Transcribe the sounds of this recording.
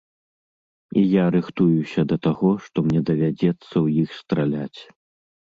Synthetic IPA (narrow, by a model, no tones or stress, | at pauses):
ijaɾɨxt̪ujusʲɐd̪ɐt̪aɣɔʂt̪ɔmnʲɛd̪ɐvʲad͡zʲɛt̪sːɐwjixst̪ɾalʲat͡sʲ